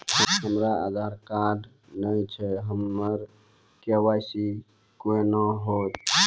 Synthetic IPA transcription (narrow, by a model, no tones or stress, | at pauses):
ɦəɦəmɾaa̰d̪ʱaɾkaɖ | nəjt͡ʃʰɛɦəmːəɾ | kewajsi | koenaɦot̪